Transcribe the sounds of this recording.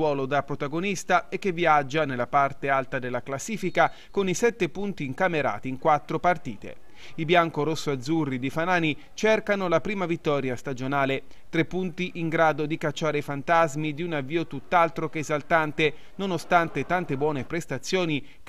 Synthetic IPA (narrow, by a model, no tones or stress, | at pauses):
wɔːlod̪apɾot̪aɡonist̪aɛk̟ːeviad͡ʒːanelːapart̪ealt̪ad̪elːaklasːiːfika | konisɛt̪ːepunt̪iːŋkameɾa̰ːt̪iːŋkwat̪ːɾopart̪iːt̪ḛ | ibjaŋkoɾosːoad̪zːurːid̪ifanaːni | t͡ʃerkanolapɾiːmavit̪ːɔːɾjast̪ad͡ʒonaːle | t̪ɾepːunt̪iʔiŋɡɾaːd̪od̪ikat͡ʃːaːɾeifant̪azmid̪iunavːiːot̪ut̪ːalt̪ɾokeːzalt̪ant̪e | nonost̪ant̪et̪ant̪ebwɔːnepɾest̪at̪sːjoːni